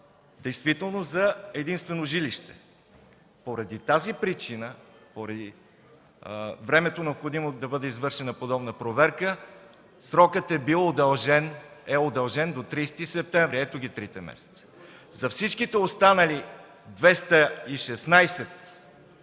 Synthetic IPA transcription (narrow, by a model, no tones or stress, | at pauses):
d̪ɛjst̪vit̪ɛlˠnozɐɛd̪inst̪vɛnoʒiliʃt̪ɛ̥̰ | poɾɐd̪it̪azipɾit͡ʃinəpoɾɐd̪i | vɾɛmɛt̪onɛopxod̪imod̪ɐbɤd̪ɛizvɤɾʃɛnɐpod̪ɔbnəpɾovɛɾkə | sɾɔkət̪ɛbilˠod̪ɐlˠʒɛnɛod̪ɐlˠʒɛnd̪ot̪ɾist̪isɛp̚t̪ɛɱvɾiɛt̪oɡʲit̪ɾit̪ɛmɛ̰sɛ̥t̪s | zɐfsit͡ʃkit̪ɛost̪anəli | d̪vɛst̪əiʃɛsnajsɛt̪